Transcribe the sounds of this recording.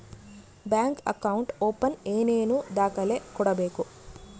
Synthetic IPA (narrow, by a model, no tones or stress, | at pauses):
bjaːŋkɐ̰kɐwuɳʈoːpɐneːneːnud̪aːkɐleːkuːɽɐbeːku